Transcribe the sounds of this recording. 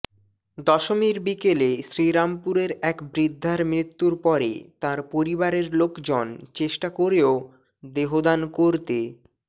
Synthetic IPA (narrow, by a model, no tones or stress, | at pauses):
d̪ɔʃomiɾbikeleʃɾiɾampuɾeɾɛkbɾid̪ʱːaɾmɾit̪ːuɾpɔɾḛt̪aɾpoɾibaɾeɾlokd͡ʑont͡ɕeʃʈakoɾeo | d̪eɦod̪ankoɾt̪e